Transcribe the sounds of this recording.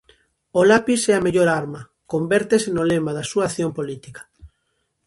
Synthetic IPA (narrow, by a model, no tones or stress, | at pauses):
olapisɛɐmeʎoɾaɾmɐ | kombɛɾt̪esɪnolemɐðɐsuaθjompolit̪ikɐ̥